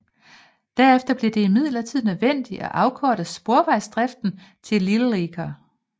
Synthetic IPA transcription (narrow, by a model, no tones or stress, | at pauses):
d̥æɐefd̥ɐb̥liɐd̥e̝imið̞̰ˠlɐt͡sʰið̞̰ˠnøðˠʋen̰d̥iʔæʔɑ̈ʊkʰɒːd̥əsb̥o̝ɐʋɑ̈ɪsd̥ʁɛfd̥n̩ | t͡sʰe̝lːiləʁeɡ̥ʰɐ